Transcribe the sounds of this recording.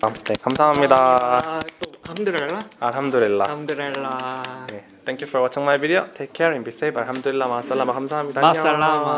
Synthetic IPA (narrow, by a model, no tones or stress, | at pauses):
nekamsʰaɦamɲida | t̪ohamdɯɾeɭːaaɦamdɯɾelːaamdɯɾelːane | t̪ʰeŋkjufɔɾwʌt͡ɕʰʌŋmajbidiotʰekʰːeɾinbis͈ejbaɭɦamdɯɾilːamas͈ɯlːamak͈amsʰaɦamɲidaaɲaa